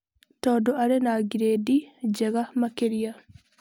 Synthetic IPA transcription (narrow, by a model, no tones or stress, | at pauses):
tɔːdɔaɾɛnaːɡiɾedid͡ʒɛɣamakeɾija